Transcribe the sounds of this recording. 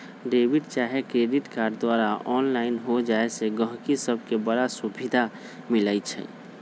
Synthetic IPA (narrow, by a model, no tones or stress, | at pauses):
ɖebiʈt͡ʃaɦekɾeɖiʈkaːɾɖd̪waɾaʔɔːnlaɪnɦod͡ʒaeseɡə̃ɦkisəb̚ʱkebəɽasubʱid̪ʱa | milət͡ʃʰɛ̰